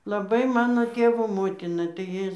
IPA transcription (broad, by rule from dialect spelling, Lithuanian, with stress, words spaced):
lˠɐˈbɐɪ ˈmɑːnoː ˈtʲeːʋoː ˈmoːtʲɪnɐ tɐɪ ˈjɪ